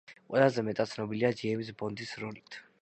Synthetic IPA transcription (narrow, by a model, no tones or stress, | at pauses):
qʼwɛlˠazɛmɛt̪ʼat̪sʰnɔbiliad͡ʒiɛbisbɔnd̪isɾɔlit̪ʰ